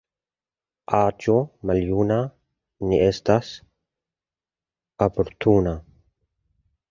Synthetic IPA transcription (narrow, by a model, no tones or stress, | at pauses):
ad͡ʒomaljuna | niest̪as | apoɾt̪ʰuna